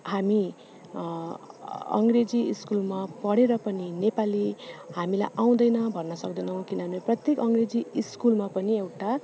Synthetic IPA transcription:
hami | ʌ̰ŋɡred͡ziːskulmapʌɽeɾʌpʌninepalihamila̰jʔaw̃d̪ʌjnʌbʱʌnːʌsʌkd̪ʌnʌw̃kinʌɦneprʌt̪jekʌŋɡred͡ziiskulmapʌniewʈa

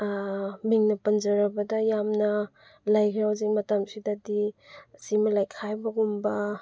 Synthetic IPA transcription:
miŋnɐpɐnd͡ʒɐɾɐbɐdɐjamnɐ | lajɡʰiɾawziŋmɐtamsidadisimɐlajkʰajbɐɡumbɐ

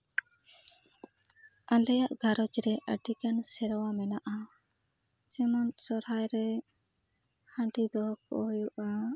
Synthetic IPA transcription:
alɛjaʔɡʱaɾɔt͡ʃɾɛʔəɖikansɛɾwamɛnaʔa | t͡ʃɛmɔnsɔɾɦajɾɛ | hãɳɖid̪ɔk̚ɔ̰ɦɔjuʔa

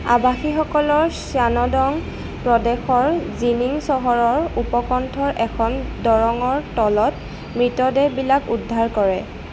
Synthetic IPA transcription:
a̰baxixɔkɔlɔɹsjanɔdɔŋ | pɹɔdɛxɔɹziniŋsɔɦɔɹɔɹupɔkɔntʰɔɹʔɛkʰɔndɔɹɔŋɔɹtɔlɔt | mɹitɔdɛbilakudʱːaɹkɔɹɛ

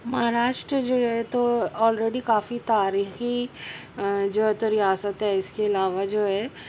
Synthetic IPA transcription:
mɐɦaɾaːʃʈɾəd͡ʒoːɦɛt̪oɔːlɾeːɖikaːfit̪aːɾiːxi | d͡ʒoːɦɛt̪oɾɪjaːsət̪ɦɛɪskeɐlaːʋad͡ʒoːɦɛː

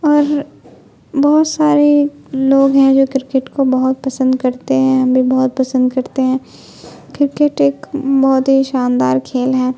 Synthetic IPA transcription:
ɔːɾ | bɔɦʊt̪saːɾe | loːɡɦɛ̃d͡ʒoːkɪɾkeʈkobɐɦʊt̪̚pɐsə̃nd̪kɐɾt̪eɦɛ̃ɐ̃bʱibɐɦʊt̪̚pɐsə̃nd̪kɐɾt̪eɦɛ̃ː | kɪɾkeʈeːkbɔɦʊt̪ɦiʃaːnd̪aːɾkʰeːlɦɛː

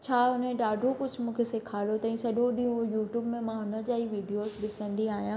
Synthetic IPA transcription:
t͡ɕʰaːʊnẽɗaːɖʱokʊd͡ʑʱmũːkʰeseːkʰaːlot̪ɐĩsɐɗõɗiũjuːʈjuːbmẽmãːɦʊnəd͡ʑaːiʋiːɖijoːzɗɪsə̃nd̪iaːɦijãː

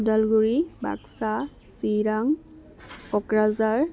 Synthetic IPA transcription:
dalɡuɹiba̰ksa | siɹaŋ | ɔkɹazaɹ

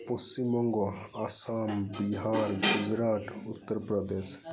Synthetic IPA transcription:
pɔst͡ʃimɔŋɡɔasambiɦaɾɡud͡ʒɾaʈut̪ːəɾpɾɔd̪es

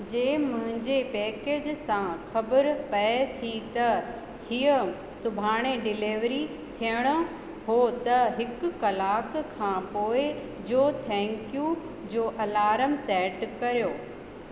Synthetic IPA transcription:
d͡ʑẽːmʊ̃ɦɪ̃ɲd͡ʑepɛːkeːd͡ʑsãxɐbəɾpɐet̪ʰit̪ɐ | hiːə | sʊbʱaːɽ̃eɖɪleːʋɾi | t̪ʰijəɽ̃ʊ̆ | ɦot̪ɐɦɪkʊkɐlaːkkʰãːpoːɪ | d͡ʑoːt̪ʰɛ̃ːŋkijũ | d͡ʑoːʔɐlaːɾəmsɛːʈkɐɾjoː

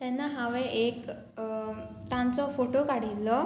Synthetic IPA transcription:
t̪ɛnːaɦaʋɛʔek | t̪ãnt͡sɔfoʈokaɽ̤ilːɔ

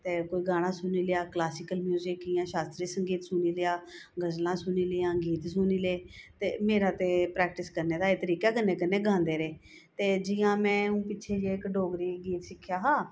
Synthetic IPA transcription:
t̪eːkoːiːɡaːɽ̃ãːsʊniːlɪjaːklaːsɪkəlmjuːzɪkijãːʃaːst̪ɾiːsəŋɡiːt̪sʊniːlɪaːɡəzlãːsʊniːlɪãːɡiːt̪sʊːniːleːt̪ḛːmeːɾaːt̪eːpɾɛːk̚ʈɪskəɾneːd̪aːeːt̪əɾiːkaːkənːeːkənːeːɡʱãːnd̪eːɾeː | t̪eːd͡ʒɪjãːmɛ̃ːũːpɪːʃʰeːd͡ʒeːɪkɖoːɡɾiːɡiːt̪ʃɪkʰːjaːɦãː

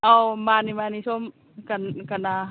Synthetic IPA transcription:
ʔɔmanimanisom | kankana

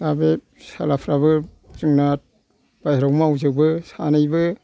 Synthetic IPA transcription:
abe | sa̰lapʰɾabɯ | zɯŋnat̚ | b̥ajɾawmawzɯkbɯsa̰nɯjbɯ

